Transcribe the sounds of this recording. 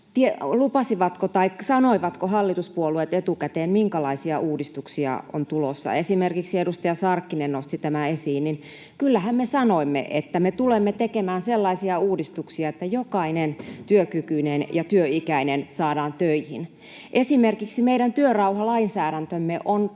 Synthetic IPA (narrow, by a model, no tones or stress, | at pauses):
t̪ielupɑsiʋɑt̪kot̪ɑikːɑ̥sɑnoiʋɑt̪kohɑlːit̪uspuoluet̪et̪ukæt̪eːnmiŋkɑlɑisiɑʔuːdist̪uksiɑ̰o̰nt̪ulosːɑ̰esimerkiksiedust̪ɑjɑsɑrkːinennost̪it̪æmæesiːnnin | kylːæhæmmesɑnoimːḛʔet̪ːæmet̪ulemːet̪ekemæːnselːɑisiɑuːdist̪uksiɑet̪ːæjokɑinent̪yøkykyinenjɑt̪yøikæinensɑːdɑːnt̪øihin | ʔesimerkiksimeiɾænt̪yørɑuhɑlɑinsæːɾænt̪ømːeʔon